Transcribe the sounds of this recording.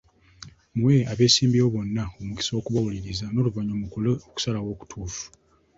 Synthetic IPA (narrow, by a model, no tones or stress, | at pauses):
muweaβe̞ːsiːmbewo̞βo̞nːaomuki̥soːkuβawuliɾizano̞ːluvaɲooku̥salawo̞ːku̥tʰuːfu̥